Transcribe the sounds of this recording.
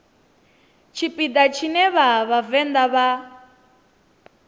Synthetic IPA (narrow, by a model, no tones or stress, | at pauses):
t͡ʃʰipʼid̪at͡ʃʰinɛβaβavɛnd̪aβa